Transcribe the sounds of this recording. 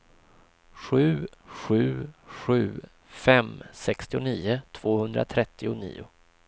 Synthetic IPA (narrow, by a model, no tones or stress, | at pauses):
ɧʉ̟ːɧʉ̟ːɧʉ̟ː | fɛmsɛkst̪ɪʊniːʊt̪ʰv̥oːhɵnd̪ɾa̰t̪ʰɾɛt̪ːɪʊnḭːʊ̰